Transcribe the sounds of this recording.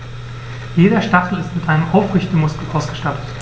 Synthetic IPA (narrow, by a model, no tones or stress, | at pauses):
jeːɾɐʃtaχl̩ɪstmɪtʔaɪnəmʔaʊfʁɪçt̚əmʊskl̩ʔaʊsɡ̥əʃtatʰət